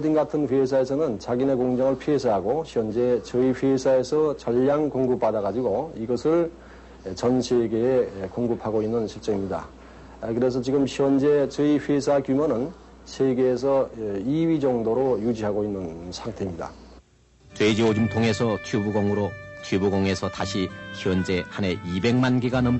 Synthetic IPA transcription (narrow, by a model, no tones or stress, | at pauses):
dinɡatʰɯnɸesʰae̞sʰʌnɯnt͡ɕaɡine̞koŋd͡ʑaŋɯɭpʰiesʰaɦaɡoɕʰiʌnd͡ʑe̞t͡ɕɯiɸesʰae̞sʰʌt͡ɕʌʎːaŋkoŋɡɯp͈̚ːadaɣad͡ʑiɡoiɡʌsʰɯɭ | t͡ɕʌnsʰeɡe̞ːkoŋɡɯpʰaɡoinːɯnɕʰiɭt͡ɕ͈ʌŋimɲida̰ | kɯɾe̞s̬ʰʌt͡ɕiɡɯmɕʰiʌnd͡ʑet͡ɕʌiɸwesʰakjumʌnɯn | sʰeɡeːsʰʌiɥid͡ʑʌŋdoɾojud͡ʑiɦaɡoinːɯnsʰaŋtʰe̞imɲida̰ | t͡ɕwed͡ʑiod͡ʑumtʰoŋe̞sʰʌt͡ɕʰubuɡoŋɯɾot͡ɕʰubuɡoŋe̞sʰʌtaɕʰiçiʌnd͡ʑe̞hane̞ibe̞ŋmanɡiɡanɯn